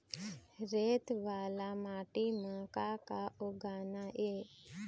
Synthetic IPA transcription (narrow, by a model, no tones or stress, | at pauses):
ɾeːt̪ʋaːlamaːʈimãːkakaʔoɡaːnaʔe